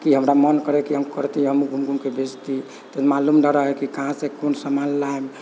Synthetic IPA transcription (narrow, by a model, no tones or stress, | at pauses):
kiɦəmɾamənkəɾɛkiɦəmkəɾt̪iɦəmuɡʱumkumkebʱed͡ʒt̪i | t̪əmalumdəɾəɦɛkikəɦãsẽkonsəmanlaɛm